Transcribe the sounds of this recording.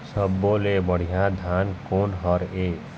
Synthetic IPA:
sʌbːolebəɽ̤ijãd̪ʱankonɦʌɾe

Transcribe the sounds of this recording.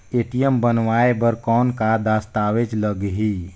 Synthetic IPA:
eːʈijəmbənʋaːebəɾkɔːnkad̪aːst̪aːʋed͡ʒləɡɦiː

